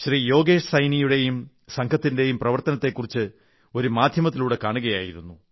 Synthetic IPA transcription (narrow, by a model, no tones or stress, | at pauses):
ɕrijo̞ːɡe̞ːʂsɐjnijuɽe̞jum | sɐŋkʰɐt̪ːinde̞jumprɐʋɐrt̪ɐnɐt̪ːe̞kːurit͡ɕːɨ | o̞ɾumaːd̪ʱjɐmɐt̪ːiluːɽe̞kaːɳuɣɐja̰ːjiɾunːu